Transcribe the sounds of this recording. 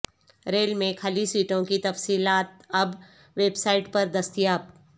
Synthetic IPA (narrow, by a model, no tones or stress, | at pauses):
ɾeːlmẽkʰɐlisiːʈõkit̪ɐfsiːlaːt̪̚ɐb | ʋeːbsaːɪʈpɐɾd̪ɐst̪ijaːp̚